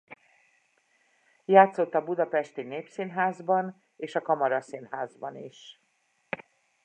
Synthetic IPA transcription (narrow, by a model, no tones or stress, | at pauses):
jaːt̪so̞t̪ːɒbud̪ɒpɛʃt̪ineːpsinɦaːzbɒn | eːʃɒkɒmɒɾɒsinhaːzbɒniʃ